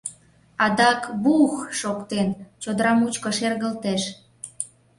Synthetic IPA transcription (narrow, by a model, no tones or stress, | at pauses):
ɑd̪ɑkβuxʃokt̪ent͡ɕod̪əɾɑmut͡ɕkoʃerɣəlt̪eʃ